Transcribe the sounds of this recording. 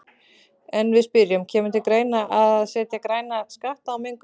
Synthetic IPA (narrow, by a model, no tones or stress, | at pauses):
ɛnvɪðspɪɾjʏmcʰɛːmʏt̪ʰɪlkɾeːjnaʔaðsɛːt̪jakɾaːjnaskaht̪aːwmɪŋk